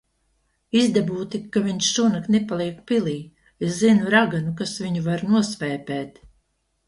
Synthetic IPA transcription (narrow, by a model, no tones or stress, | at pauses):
izd̪abuːt̪ikːaviɲʃʃunaknepalˠiɛkpilˠiː | eszinuɾaɡanukasviɲuvaɾnuɔsvɛːpɛːt̪